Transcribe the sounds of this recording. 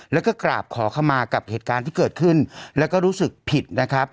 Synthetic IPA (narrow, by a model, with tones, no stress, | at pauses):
lɛː˦˥wkɔː˥˩kɾa̰ː˨˩p̚kʰɔː˩˦kʰa˧wmaː˧ka˨˩p̚heː˨˩t̪̚kaː˧nt̪ʰiː˥˩ɤː˨˩t̪̚kʰɯ˥˩nlɛː˦˥wkɔː˥˩ɾuː˦˥sɯ˨˩k̚pʰi˨˩t̪̚na˦˥kʰa˦˥p̚